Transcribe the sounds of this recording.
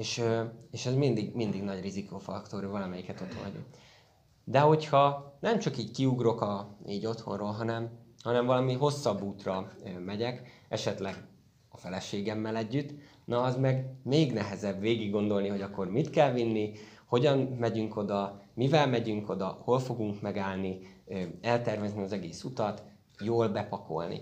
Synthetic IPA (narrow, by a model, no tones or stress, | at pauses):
eːʃøeːʃɛzmind̪iɡmind̪iɡnɒɟrizikoːfɒkt̪oɾøvɒlɒmɛjikɛt̪o̞t̪ho̰nɟo̰ | d̪ɛɦo̞chɒnɛmt͡ʃɒkiːɟkiuɡro̞kɒiːɟo̞t̪ho̞̰nroːlɦɒnɛmhɒnɛɱvɒlɒmiɦo̞sːɒbːuːt̪rɒmɛɟɛk | ɛʃɛt̪lɛɡ | ɒfɛlɛʃeːɡɛmːɛlɛɟːyt̪ː | nɒːzmɛɡmeːɡnɛɦɛzɛbʋeːɡiɡːo̞nd̪o̞lniɦo̞ɟɒkːo̞rmit̪kɛlvinːi | ho̞ɟɒnmɛɟyŋko̞d̪ɒmivɛlmɛɟyŋko̞d̪ɒho̞lfo̞ɡuŋkmɛɡaːlni | ɛlt̪ɛrvɛzniɒzɛɡeːsut̪ɒt̪ | joːlbɛpɒko̞̰lnḭ